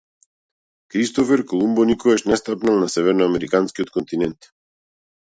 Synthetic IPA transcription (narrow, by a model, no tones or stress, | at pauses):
kɾist̪ɔfɛɾkɔlˠumbɔnikɔvɛʃnɛst̪apnalˠnasɛvɛɾnɔamɛɾikanskiɔt̪̚kɔnt̪inɛnt̪